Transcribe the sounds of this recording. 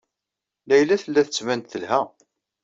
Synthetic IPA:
læjlæθəlːæθət͡sːvænt̪θəlhæ

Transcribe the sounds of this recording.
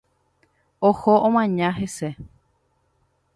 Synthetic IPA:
ohoʔõmãɲãɦe̞se

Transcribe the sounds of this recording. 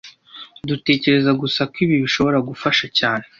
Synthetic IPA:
dute̞ːce̞ɾe̞zaɡusakwiːβiβiʃo̞βo̞ɾaɡufaʃacaːne̞

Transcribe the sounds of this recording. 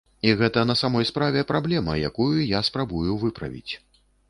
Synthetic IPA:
iɣɛt̪ɐnɐsamɔjspɾavʲɛpɾablʲɛmɐ̰ja̰kujujaspɾabujuvɨpɾɐ̰vʲḭt͡sʲ

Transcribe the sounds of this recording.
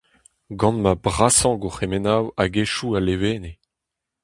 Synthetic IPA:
ɡɑ̃nmabʁasɑ̃ɡoχemenawaɡeʃualeveːne

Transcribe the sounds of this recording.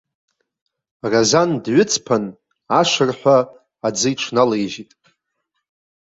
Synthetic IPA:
razandɥʊt͡sʰpʰan | aʂʷɨrħʷaː | d͡zɨjʈ͡ʂʰnalejʒitʼ

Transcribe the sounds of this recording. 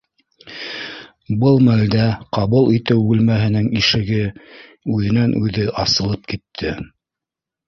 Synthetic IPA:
bɤlˠmæld̪æqɑβulˠit̪ɘwbʉlmæɦɘ̆nɘŋiʃɘ̆ɡɘ | ʉðɘ̆nænʔʉðɘʔɑsɤ̆lˠɤp̚kit̪ʰːɘ

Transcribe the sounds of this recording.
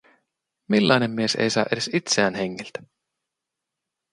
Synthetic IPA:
milːɑjne̞mːie̞sḛjsɑ̰ːʔeɾesit̪seæːnheŋːelt̪æ̥

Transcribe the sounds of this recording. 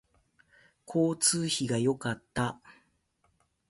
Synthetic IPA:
kʰo̞ːt͡sɨːçiɡajo̞kat̪ːa

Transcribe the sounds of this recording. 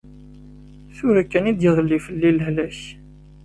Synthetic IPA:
θʊɾækːænid̪jəðˤəlːifəlːiləɦlæç

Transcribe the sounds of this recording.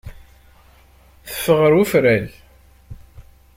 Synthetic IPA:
θə̥fːəʁəɾufɾæl

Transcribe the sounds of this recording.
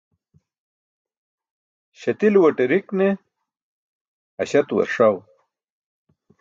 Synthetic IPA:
ɕɐt̪ilwɐʈeɾikne | ɐɕɐt̪wɐ̰ɾʂaw

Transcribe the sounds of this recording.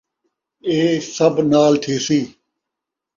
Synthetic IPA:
eːsəbnaːlt̪ʰeːsiː

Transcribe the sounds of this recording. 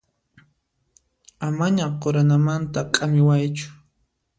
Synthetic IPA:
amaɲaqoɾanamant̪akʼamɪwajt͡ʃʊ̥

